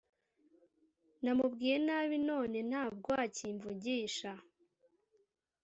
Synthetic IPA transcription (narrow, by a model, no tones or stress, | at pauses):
namubɡiːje̞naːβino̞ːne̞n̥haːb̚ɡowaciɱvuɟiːʃa